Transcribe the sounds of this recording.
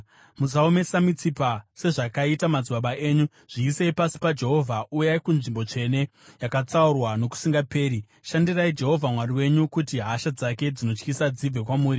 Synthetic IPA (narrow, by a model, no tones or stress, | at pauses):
muzaome̞samit͡sipase̞ʐakaitamad͡ziɓaɓaʔe̞ːɲu | ʐ̥iːseipasi̥pad͡ʒe̞ɦo̞vʱaʔujaikunʐimbo̞t͡ʂe̞ne̞ | jakat͡saurwano̞ku̥siŋɡape̞ːɾi | ʃandiraid͡ʒe̞ɦo̞vʱamwaɾiwe̞ɲukutiɦaʃad͡zake̞d͡zino̞t͡ʃkisad͡zib͡ve̞kwamuːɾi